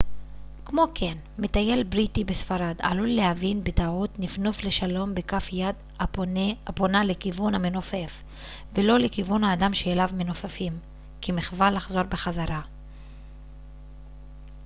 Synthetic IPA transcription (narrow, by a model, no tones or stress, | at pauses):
kmo̞kʰen | met̪aje̞lbʁitibesfaɾada̰lulːehavinbetautnifnufle̞ʃalo̞mbekafjad̪ | aaponalekivunhamenofe̞f | velo̞lekivunhaːdamʃeelavmenofafim | kimiχvalːaχzo̞ɾbeχazaɾa